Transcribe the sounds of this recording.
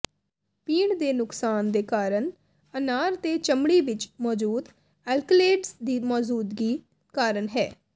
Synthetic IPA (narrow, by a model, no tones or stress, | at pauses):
piːɳd̪eːnʊksaːnd̪eːkaːɾəɳ | ənaːɾt̪eːt͡ʃəmɽiːʋɪt͡ʃmɔːd͡ʒuːd̪ | ɛlkleːɖsd̪iːmɔːd͡ʒuːd̪ɡiː | kaːɾəɳɦɛː